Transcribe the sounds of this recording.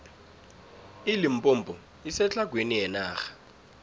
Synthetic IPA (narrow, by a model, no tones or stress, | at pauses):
ilim̩pʼombʱɔ | isɛt͡ɬaɡ̥ʱwenijɛnaːxḁ